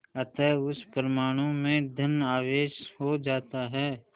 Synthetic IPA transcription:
ɐt̪ɛʊspəɾəmaːɽ̃õmẽd̪ʱənaːʋeːʃɦod͡ʒaːt̪aɦɛː

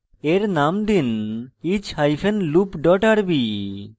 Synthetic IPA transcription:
eɾnamd̪init͡ʃhajfʰenlupɖɔʈaɽbi

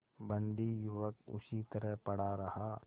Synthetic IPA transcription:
bɐ̃nd̪ijʊʋəkʊ̰ʃit̪əɾəɦpɐɽaɾɐhaː

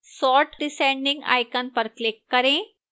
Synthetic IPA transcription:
sɔːʈɖɪsẽɳɖɪ̃ŋɡa̰ːjkənpəɾklɪkːəɾẽ

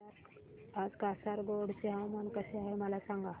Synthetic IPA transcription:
ad͡zkasaɾɡoɽt͡seɦãmənkəseaɦeməlasãŋɡa

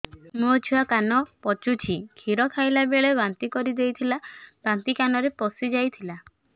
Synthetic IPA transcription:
muɔt͡ʃʰuwakanɔpɔt͡ʃut͡ʃʰikʰiɾɔkʰajlabeɭebant̪ikɔɾid̪ejt̪ʰilab̥ant̪ikanɔɾepɔsid͡ʒajt̪ʰila

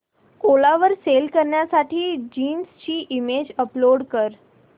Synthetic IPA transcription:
kolaʋəɾselkəɾɳjasaʈʰiːd͡ʑiːnst͡ɕiːʔimed͡ʑəploɽkəɾ

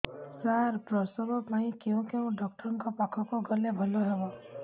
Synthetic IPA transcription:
saɾpɾɔsɔbɔpaɦĩkeũkeũɖɔk̚ʈɔɾɔŋkɔpakʰɔkuɡɔlebʱɔloɦebɔ

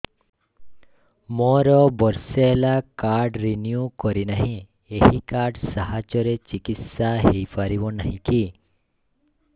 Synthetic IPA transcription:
mɔɾɔbɔɾseelakaɾɖɾinjukɔɾinaɦĩ | ehikaɾɖsaɦat͡ʃɔɾet͡ʃikit̪saɦejpaɾibɔnaɦĩki

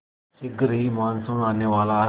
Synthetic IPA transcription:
iɡɾiːmansunanəʋala

